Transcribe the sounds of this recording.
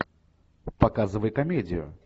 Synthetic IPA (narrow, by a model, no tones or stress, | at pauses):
pakazɨvəɐjkamʲɛdʲijʊ̰